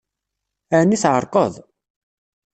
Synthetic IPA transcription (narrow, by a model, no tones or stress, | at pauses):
ænːiθʕəɾˤqəðˤ